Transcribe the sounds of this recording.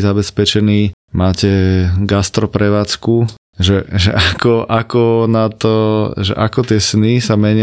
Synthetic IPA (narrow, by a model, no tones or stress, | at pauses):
zabɛspɛt͡ʃɛniː | maːcɛɡast̪ɾɔpɾɛʋaːt͡sku | ʒɛʒɛ̰ʔakɔʔakɔnat̪ɔʒɛ̰ʔakɔt̪ɪɛsnisamɛɲɪ